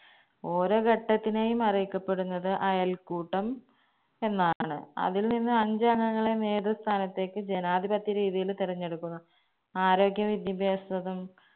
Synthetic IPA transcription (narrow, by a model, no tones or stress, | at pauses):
o̞ːɾo̞ːɡɐʈːɐt̪ːine̞ːjumɐrijikːɐpːe̞ɽunːɐðɨʔɐjɐlkuːʈːɐm | e̞nːaːɳɨ̰ɐ̰ðilninːɨɐɲd͡ʑɐŋːɐŋːɐɭeneːd̪ɐst̪ʰaːnɐt̪ːe̞ːkːɨd͡ʑenaːd̪ʱibɐt̪ːiɾiːðijilt̪iɾɐɲːe̞ɽukːunːɐ | aːɾo̞ːɡjɐʋid̪jɐbʱjaːsɐðɐm